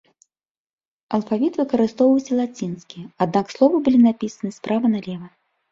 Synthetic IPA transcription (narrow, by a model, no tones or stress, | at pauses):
ɐlˠfavʲit̪vɨkɐɾɨst̪ɔwvɐwsʲɐlˠat͡sʲinskʲiad̪nakslˠɔvɨbɨlʲinapʲisɐnɨspɾavɐnɐlʲɛvɐ